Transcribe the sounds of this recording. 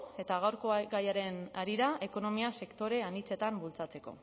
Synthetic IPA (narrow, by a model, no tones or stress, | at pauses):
e̞t̪aɣawɾkoɡajaɾe̞naɾiɾaʔe̞ko̞no̞miase̞kt̪o̞ɾe̞anit͡se̞t̪ambult͡sat͡se̞ko̞̰